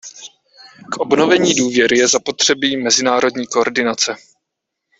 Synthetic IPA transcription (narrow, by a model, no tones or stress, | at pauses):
kʔo̞bno̞vɛɲiːduːvjɛɾɪjɛzapo̞t̪r̝̥ɛbiːmɛzɪnaːɾo̞dɲiːkoɾdɪnat͡sɛ